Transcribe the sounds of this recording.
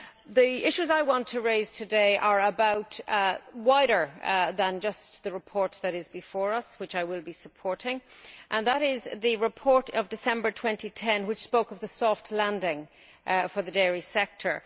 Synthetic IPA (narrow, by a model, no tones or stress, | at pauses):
ðiɪʃʉzaɪwɑ̃ntʰəɹeɪz̥tʰɨdeɪʔə˞əbaʊt | waɪɾə˞ðə̃nd͡ʒʌsðəɹɨpʰɔɹt̪̚ðɨɾɪzbɨfɔːɹʌswɨt͡ʃaɪwɪlˠbisəpʰɔɹɾɪ̃ŋʔə̃nðəɾɪzðɨɹɪpʰɔɹɾʌvdɨsɛ̃mbə˞tʰw̥ɛ̃ntitʰɛ̃nwɨt͡ʃspoʊkʌvðəsɔftʰˡlãndɪ̃ŋ | fə˞ðədɛɹisɛk̚tʰə˞